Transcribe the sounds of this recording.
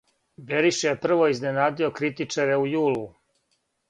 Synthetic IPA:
beɾiʃjepr̩ʋoiznenaːd̪io̞kɾit̪it͡ʂaɾeujuːlu

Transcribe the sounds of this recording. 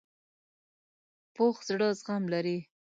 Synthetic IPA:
poxz̥ɽəzɣamlaɾi

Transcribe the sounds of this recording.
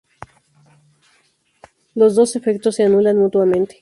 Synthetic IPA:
lo̞zðo̞se̞fe̞k̚t̪o̞sːeanulanmut̪wamẽ̞nt̪e̥

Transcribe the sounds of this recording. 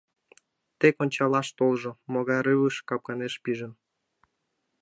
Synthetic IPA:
t̪ekonʲt͡ɕɑlɑʃt̪olʒŏmoɣɑjɾɨβəʃkɑp̚kɑneʃpiʒən

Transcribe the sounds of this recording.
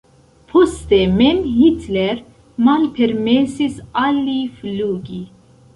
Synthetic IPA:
pʰɔst̪emenhit̪ʰlɛɾ | manpʰɛɾmeːsisɑlːifluːɡi

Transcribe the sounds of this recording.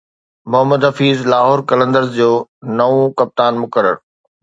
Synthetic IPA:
mʊɦəmːəd̪ɦɐfiːzlaːɦoːɾkɐlə̃nd̪əɾzd͡ʑoːnɐõkɐp̚t̪aːnmʊkəɾə̰ɾ

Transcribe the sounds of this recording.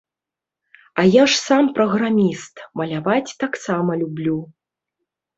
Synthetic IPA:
ɐjaʂsampɾɐɣɾamʲist̪mɐlʲavat͡sʲt̪aksamɐlʲublʲu

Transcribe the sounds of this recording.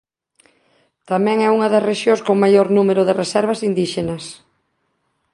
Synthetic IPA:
t̪amɛ̃ŋɛuŋɐðɐsreʃjõskoŋmajoɾnumeɾʊðɪresɛɾβ̞ɐsind̪iʃenɐs

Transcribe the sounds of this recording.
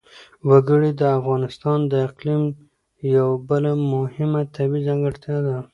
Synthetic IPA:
waɡəɽid̪əafɣɑnɪst̪ɑnd̪əɪqlim | jawabəlamʊhɪmat̪ʰabizaŋɡəɽt̪jɑd̪a

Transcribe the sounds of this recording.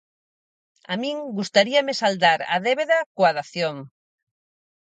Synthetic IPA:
amĩŋɡust̪aɾiɐmɪsald̪aɾa̰ðeβeðɐkoaðaθjoŋ

